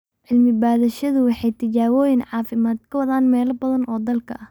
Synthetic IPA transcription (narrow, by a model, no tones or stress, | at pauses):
ʕɪlmɪbaːðɐʃɐðʊwɑħɑjt̪ʰɪt͡ʃaːwɔːjɪnʕɑːfɪmaːd̪kʰɐwɐðaːnmɛːlɐbɐðɐnɔːd̪ɐlkʰɐ̰ʔɐh